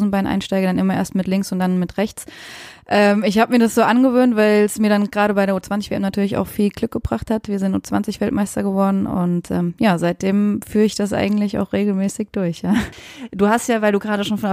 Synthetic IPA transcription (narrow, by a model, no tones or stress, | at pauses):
zn̩baɪnʔa̰ɪnʃtaɪɡədanʔɪmɐʔḛːɐstmɪtlɪŋksʊntd̥anmɪtʁɛçt͡sʔɛːmɪçhaːbəmiːɐdasz̥oːʔanɡəvøːntv̥aɪlsmiːɐɾanɡʁaːɾəbaɪɾeːɐuːt͡sv̥ant͡sɪç̥eːʔɛmnatʰyːɐlɪça̰ʊxfiːlɡlʏk̚ɡ̥əbʁaχthatviːɐzɪntʔṵːt͡sv̥a̰nt͡sɪçv̥ɛltmʔaɪstɐɡəvɔɐdn̩ʊ̰ntʔɛ̰ːmjaːzaɪt̚d̥eːmfyːɐɪçd̥asʔa̰ɪɡŋ̩tlɪça̰ʊxʁ̥eːɡl̩mɛːsɪçd̥ʊɐçjaːd̥uːhastjaːvaɪlduːɡʁaːɾdəʃoːnfɔn